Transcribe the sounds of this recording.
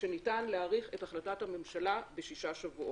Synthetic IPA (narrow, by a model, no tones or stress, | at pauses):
ʃe̞nitanleaːʁiχe̞taχlatathame̞mʃalabeʃiʃaʃavuʔo